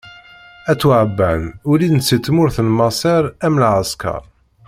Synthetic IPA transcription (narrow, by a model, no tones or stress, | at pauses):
æt͡sːwʕəbːænʊlinət͡sːit̪ːmʊɾθənmɑsˤeɾæmlʕəskɑ̰ɾˤ